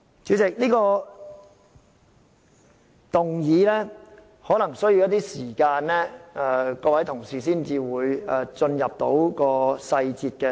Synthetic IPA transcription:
t͡syː˨˥t͡sɪ˨k̚niː˥kɔː˧ | t̪ʊ˨˩ŋjiː˨˧lɛː˥ | hɔː˨˥nɐ˨˩ŋsɵ˥ɥji˧wjɐ˥t̪iː˥siː˨˩kaː˧nlɛː˥ɛː˧kɔː˧wɐ˨˥jt̪ʰʊ˨˩ŋsiː˨˩s̬iː˥nt͡siː˨˧wuː˨˧jɛ˨t͡sɵ˧njɐ˨p̚t̪o̰˨˥wkɔː˧sɐ˧jt͡siː˨t̚kɛː˧

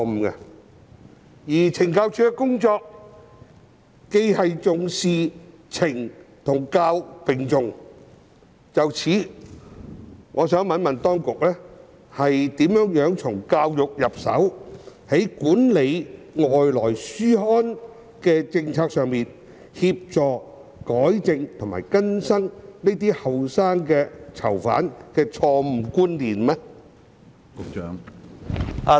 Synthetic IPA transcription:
m̩˨kɐ̰˧ | jiː˨˩t͡sʰɪ˨˩ŋkaː˧wt͡ʃʰyː˥kkʊ˥ŋt͡sɔː˧k̚ | e˧jhɐ˨jt͡sʊ˨ŋsiː˨˧t͡sʰɪ˨˩ŋt̪ʰʊ˨˩ŋkaː˧wkpɪ˨˩ŋt͡sʊ˨ŋ | t͡sɐ˨wt͡sʰiː˨˥ | ŋɔ̰ː˨˧sœː˨˥ŋmɐ˨˥nmɐ˨nt̪ɔː˥ŋkʊ˨k̚lɛː˥ | hɐ˨jt̪iː˨˥mjœː˨˥ŋjœː˨˥ŋt͡sʰʊ˨˩ŋkaː˧wjʊ˨k̚jɐ˨p̚sɐ̰˨˥whɐ˨˥jkuː˨˥nle˨˧j | ŋɔː˨jlɔː˨˩jsyː˥hɔː˥n | kɛː˧t͡sɪ˧ŋt͡sʰaː˧k̚sœː˨˧ŋmiː˨n | hiː˧p̚t͡sɔː˨k | kɔː˨˥jt͡sɪ˧ŋt̪ʰʊ˨˩ma̰ː˨˩jkɐ˥nsɐ˥ŋne˥t̪̬iː˥hɐ˨wsaː˥ŋkɛː˧t͡sʰɐ̰˨˩wfa̰ː˨˥nkɛː˧t͡ʃʰɔː˧m̩˨˩kuː˥nliː˨nmɛ˧˥ | kʊ˨t͡ʃːŋ | a˨˧

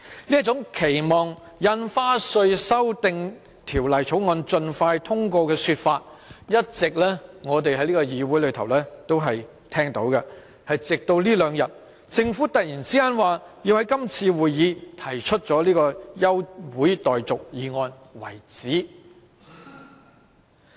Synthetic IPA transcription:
li˥ɐ˥t̚t͡sʊ˨˥ŋkʰe˨˩jmɔː˨ŋ | jɐ˧nfaː˥sɵ˧ɥsɐ˥wt̪ɪ˧ŋ | t̪ʰiː˨˩wlɐ˨jt͡sʰo˨˥wŋɔː˧nt͡sɵ˧nfaː˧jt̪ʰʊ˥ŋkoː˧kɛː˧syː˧t̚faː˧t̚jɐ˥t̚t͡sɪ˨k̚lɛː˥ŋɔː˨˧t̪̬e˨jɦɐ˨˥jliː˥kɔː˧jiː˨˧wu˨˥jlɵ˨˧ɥt̪ʰwlɛː˥t̪o˥wɦɐ˨j | t̪ʰɛː˥ŋt̪o̰˨˥wkɐ˧ | hɐ˨jt͡sɪ˨k̚t̪o˧wliː˥lœː˨˧ŋjɐ˨t̚ | t͡sɪ˧ŋfuː˨˥t̪ɐ˨k̚jiː˨˩nt͡siː˥kaː˥nwaː˨jiː˧whɐ˨˥jkɐ˥mt͡sʰiː˧wuː˨jːiː˨˧t̪ʰɐ˨˩jt͡ʃʰɵ˥t̚t͡sɔː˨˥liː˥kɔː˧jɐ˥wwuː˨˥jt̪ɔː˨jt͡sʊ˨k̚jiː˨˧ŋɔː˧n | wɐ˨˩jt͡siː˨˥

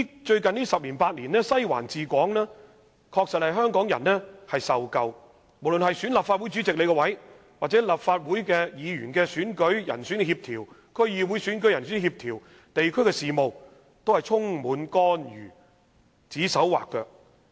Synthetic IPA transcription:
t͡ʃɵ˧ɥkɐ˨nniː˥sɐ˨p̚liː˨˩paː˧t̚liː˨˩nɛː˥sɐ˥jwa̰ː˨˩nt͡siː˨kʷɔː˨˥ŋlɛː˥ | kʰɔː˧k̚sɐ˨t̚hɐ˨jɦœː˥ŋkɔː˨˥ŋjɐ̰˨˩nːɛː˥hɐ˨jsɐ˨wkɐ˨˧w | mo˨˩wlɵ˨nɦɐ˨jsyː˨˥nlɐː˨˩pfaː˧u˨˥jt͡ʃy˨˥t͡sɪ˨k̚le˨˧jkɛ˧wɐ˨˥j | waː˨k̚t͡sɛː˨˥lɐ˨˩pfaː˧t̚wuː˨˥jkɛː˧jiː˨˧ɥy̰ː˨˩nkɛː˧syː˨˥nkɵ˨˥ɥjɐ̰˨˩nsyː˨˥nhiː˧p̚t̪ʰiː˨˩wkʰɵ˥ɥjiː˨˧wu˨˥jsy˨˥nk̬ɵ˨˥ɥjɐ˨˩nsy˨˥nhiː˧p̚t̪ʰiː˨˩w | t̪e˨jkʰɵ˥ɥkɛː˧siː˨˩mo˨˧w | t̪o˥whɐ˨jt͡sʰʊ˥ŋmuː˨˧nkɔː˥njy̰ː˨˩ | t͡siː˨˥sɐ˨˥wwa̰ː˨kːœː˧

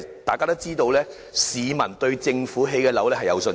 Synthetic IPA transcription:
t̪aː˨jkaː˥t̪o˥t͡siː˥t̪o˧wlɛː˥ | siː˨mɐ˨˩nt̪ɵ˧ɥt͡sɪ˧ŋfuː˨˥ɦe˧jkɛː˧lɐ˨˥wlɛː˥ɦɐ˨jɐ̰˨˧wsɵ˧n

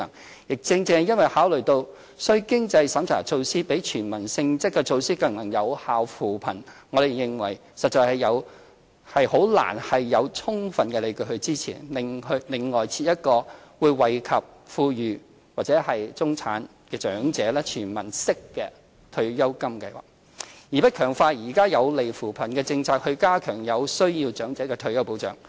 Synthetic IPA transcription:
ɐ˨˩ŋ | jɪ˨k̚t͡sɪ˧ŋt͡sɛː˧jɐ˥nwɐ˨jhaː˨˥wlɵ˨˩ɥt̪o˧w | sɵ˥ɥkɪ˥ŋt͡sɐ˧jsɐ˨˥mt͡sʰa̰ː˨˩t͡sʰo˧wsiː˥pe˨˥jt͡ʃʰyː˨˩nmɐ˨˩nsɪ˧ŋt͡sɪ˥kːɛ˧t͡sʰo˧wsiː˥kɐ˨ŋlɐ˨˩ŋjɐ˨˧whaː˨wfuː˨˩pʰɐ̰˨˩nŋɔ˨˧t̪e˨jjɪ˨ŋwɐ˨˩j | sɐ˨t̚t͡ʃɔː˨˧jhɐ˨jɐ˨˧w | hɐ˨jho˨˥wla̰ː˨˩nhɐ˨jːɐ˨˧wt͡sʰʊ˥ŋfɐ˨nkɛː˧le˨˧jkɵ˧hɵ˧ɥt͡siː˥t͡sʰiː˨˩nlɪ˨ŋhɵ˧lɪ˨˩ŋːɔː˨jt͡sʰiː˧t̚jɐ˥t̚kɔː˧wuː˨˧jwɐ˨˩jkʰɐ˨p̚ | fuː˧jyː˨˩ | waː˨˩t͡sɛː˨˥hɐ˨jt͡sʊ˥ŋt͡sʰaː˨˥n | kɛː˧t͡ʃœː˨˥ŋt͡sɛː˨˥lɛː˥t͡ʃʰyː˨˩nmɐ˨˩nsɪ˥kːɛː˧ | t̪ʰɵ˧ɥjɐ˥wkɐ˥mkɐ˧jwa̰ː˨˩ | jiː˨pɐ˥t̚kʰœː˨˩ŋfaː˧jiː˨˩kaː˥jɐ˨˧wle˨jfuː˨˩pʰɐ˨˩nkɛː˧t͡sɪ˧ŋt͡sʰaː˧k̚hɵ˧kaː˥kʰœː˨˩ŋjɐ˨˧wsɵ˥ɥjiː˧wt͡ʃœː˨˥ŋt͡sɛː˨˥kɛː˧t̪ʰɵ˧ɥjɐ˥wpo˨˥wt͡ʃœ̰ː˨˥ŋ

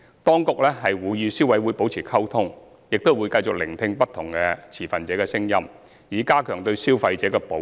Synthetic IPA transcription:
t̪ɔː˥ŋkʊ˨k̚lɛː˥ɦɐ˨jwuː˨˧˥jjyː˨˧siː˥wɐ˨˥jwuː˨˧jpo˨˥wt͡sʰiː˨˩kʰɐ˥wt̪ʰʊ˥ŋ | jɪ˨k̚t̪o˥wu˨˧jkɐ˧jt͡sʊ˨k̚lɪ˨˩ŋt̪ʰɪ˧ŋpɐ˥t̪ʰːʊ˨˩ŋkɛː˧t͡sʰiː˨˩fɐ˨nt͡sɛː˨˥kɛː˧sɪ˥ŋjɐ˥m | jiː˨kaː˥kʰœː˨˩ŋt̪ɵ˧ɥsiː˥wfɐ˧jt͡sɛː˨˥kɛː˧po˨˦

